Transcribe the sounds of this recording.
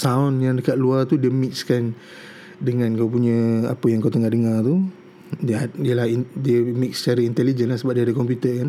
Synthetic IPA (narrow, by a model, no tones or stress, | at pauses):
saɔnjaŋdəkaʔ̪̚luart̪udiəmik̚skan | dəŋãnkawp̬uɲə̃a̰pəjaŋkawt̪əŋahdəŋart̪u | diaiəlahidiəmik̚sə̥t͡ʃaɾəint̪ɛlid͡ʒənlasəbap̚diadəkɔmpjut̪ərkan